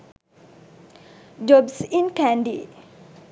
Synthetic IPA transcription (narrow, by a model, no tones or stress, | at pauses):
d͡ʒɔbsinkãndi